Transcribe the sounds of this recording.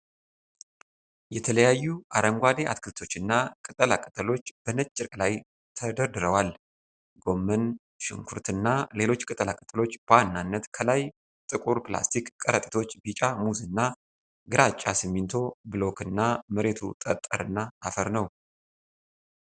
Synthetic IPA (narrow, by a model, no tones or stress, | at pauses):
jɛt̪ʰələjajːuʔaɾəŋɡʷad̪eʔa̰t̪kʰɨlt̪ʰo̞t͡ʃːɨnːakʼɨt̪ʼəlakʼət̪ʼəlo̞t͡ʃːb̥ənət͡ʃʼːɪɾkʼlaj | t̪ʰəd̪əɾd̪ɨɾəwal | ɡo̞mːən | ʃɪŋkʰuɾt̪ɨnːale̞lo̞t͡ʃːkʼɨt̪ʼəlakʼət̪ʼəlo̞t͡ʃːb̥əwanːanːət̪kʰəlaj | t̪ʼɨkʼuɾpla̰st̪ʰikkʼːəɾət̪ʼi̥t̪ʰo̞t͡ʃːbit͡ʃʼamuzɨnːa | ɡɨɾat͡ʃʼːasɨmːint̪ʰo̞bɨlo̞kɨnːaməɾe̞t̪ʰṵt̪ʼət̪ʼːə̰ɾɨnːaːfəɾnəw